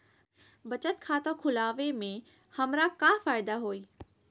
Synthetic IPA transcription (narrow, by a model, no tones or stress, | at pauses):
bɐt͡ʃət̪̚kʰaːt̪õkʰʊlaːʋemẽ | hɐmɾakafaːjd̪aɦoːiː